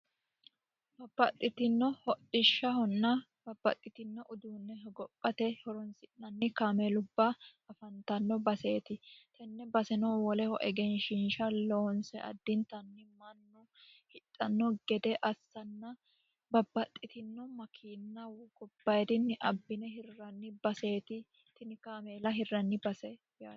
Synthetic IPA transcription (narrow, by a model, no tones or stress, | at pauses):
b̥ɐbːɐt̪ʼːɪt̪ɪnːɔhɔɗɪʃːɐhɔnːɐ | b̥ɐbːɐ̰t̪ʼːɪt̪ɪnːɔʔʊd̪uːnːɛɦɛɡɔpʼːɐt̪ɛhɔɾɔnsɪnːɐnːɪkɐmɛlʊbːɐɐfɐnt̪ɐnːɔbɐseːt̪ɪt̪ɛnːɛbɐsɛnɔːwɔlɛhɔʔɛɡɛnʃɪnʃɐloːnsɛʔɐ̰d̪ːɪnt̪ɐnːɪmɐnːɔ | hɪt̪ʼːɐnːɔɡɛd̪ɛʔɐsːɐnːɐ | bɐbːɐt̪ʼːɪt̪ɪnːɔmɐkʰiːnːɐwkɔbːɐjd̪ɪnːɪʔɐbːɪnɛɦɪrːɐnːɪbɐse̞ːt̪ɪ | t̪ɪnɪkameːlɐɦɪrːɐnːɪbɐsɛ | jaː